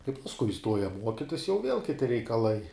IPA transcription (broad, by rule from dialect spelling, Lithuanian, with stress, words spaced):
kɐɪ pɐsˈkʊɪ ɪˈstuɔjɛ ˈmuɔkʲɪtʲɪs jɛʊ ʋʲiɛlˠ kʲɪˈtʲɪ rʲɛɪkɐˈlˠɐɪ